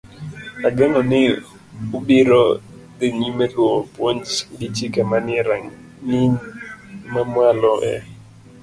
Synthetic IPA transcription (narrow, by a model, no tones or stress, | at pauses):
aɡɛŋɔnɪ | ubiɾɔ | d̪iŋimɛlwopwoɲt͡ʃdit͡ʃikamanɪɛɾaŋ | ŋi | mamwalɔʔɛ̰